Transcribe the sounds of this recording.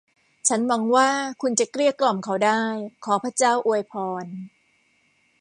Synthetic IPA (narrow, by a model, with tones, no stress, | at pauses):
t͡ɕʰa˦˥nwa˧˦˥ŋwaː˥˩kʰu˧nt͡ɕa˨˩kɾi˥˩əklɔ˨˩mkʰa˦˥wdaː˥˩jkʰɔː˩˦pʰɾa˦˥t͡ɕaː˥˩wʔu˧əjpʰɔː˧n